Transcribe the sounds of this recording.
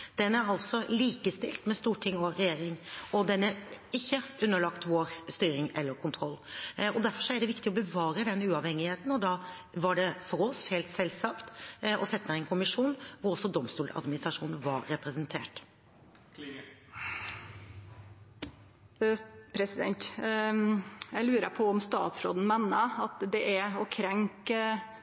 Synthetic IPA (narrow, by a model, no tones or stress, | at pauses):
d̪̥ɛnːəæɾɑlt̪sɔliːkəst̪ɪ̰lt̪mɛst̪uːʈʰɪŋːɔɾɛjeːɾɪŋɔd̪ɛnːəɪçːəʉnːəɭɑkt̪ʋoːɾst̪yːɾɪŋɛlːəɾkʰʊnt̪ʰɾɔlːɔd̪æɾfɔʂɔæɖɛʋɪkt̪ɪɔbəʋɑːɾəd̪ɛnːəʉːɑʋhɛŋɪheːt̪n̩ɔd̪ɑ | ʋɑɖɛfɔɾɔsheːlt̪sɛlsɑkt̪ɔsɛt̪ːmæɛnkʰʊmɪʂuːnʋʊɾɔsːɔd̪ɔmst̪uːlɑ̰d̪mɪnɪst̪ɾɑʂuːnəʋɑɾːɛpɾɛsɛnt̪ʰeːʈ | pʰɾɛsɪd̪ɛ̰nt̪ | jæɪlʉːɾə̰pʰɔɔmst̪ɑ̰ːt̪sɾo̰ːd̪n̩mɛnːəɑt̪d̪ɛʔæɾɔkʰɾɛŋk